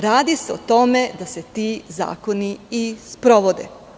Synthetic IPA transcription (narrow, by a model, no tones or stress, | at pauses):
ɾaːd̪iseot̪o̞me̞d̪ase̞t̪iːza̰ːko̞niispɾo̞ʋo̞d̪ḛ